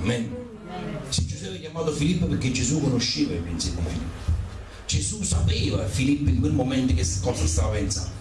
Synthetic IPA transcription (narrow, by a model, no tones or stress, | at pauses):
mɛn | sed͡ʒːusɛpːɛkjamaːt̪ofilipːopeɾkːed͡ʒːesukonoʃːiːvaipensekːoɱfilipː | d͡ʒesusapeːva̰filipːiŋkwelmomɛnt̪ɪkeskːɔːsast̪avapɛnsa̰nd̪